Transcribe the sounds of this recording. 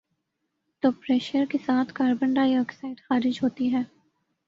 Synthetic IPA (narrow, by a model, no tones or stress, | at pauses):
t̪oːpɾɛːʃəɾkesaːt̪ʰkaːɾbə̃ɳɖaːiɔːksaːɪɖxaːɾɪd͡ʒɦoːt̪iɦɛː